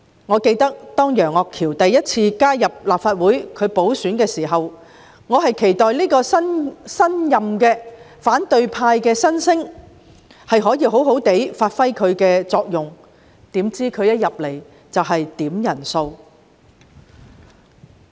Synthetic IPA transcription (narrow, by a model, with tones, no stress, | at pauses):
ŋɔː˨˧ke˧jt̪ɐ˥k̚t̪ɔː˥ŋjœː˨˩ŋɔː˨˧kʰːiː˨˩wt̪ɐ˨jːɐ˥t̚t͡sʰiː˧kaː˥jɐ˨p̚laː˨p̚faː˧t̚wuː˨˥jkʰɵ˨˧ɥpo˨˥wsyː˨˥nkɛː˧siː˨˩ɦɐ˨w | ŋɔː˨˧ɦɐ˨jkʰe˨˩jt̪ɔː˨jliː˥kɔː˧sɐ˥nsɐ˥njɐ˨mkɛː˧ | faː˨˥nt̪ɵ˨ɥpʰaː˧jkɛː˧sɐ˥nsɪ˥ŋ | hɐ˨jɦɔː˨˥jiː˨˧ɦo˨˥wɦo˨˥wt̪e˨˥jfaː˧t̚fɐ˥jkʰɵ˨˧ɥkɛː˧t͡sɔː˧k̚jʊ˨ŋ | t̪iː˨˥mt͡siː˥kʰɵ˨˧ɥjɐ˥t̚jɐ˨p̚le˨˩j | t͡sɐ˨wɦɐ˨jt̪iː˨˥mjɐ˨˩nso˧w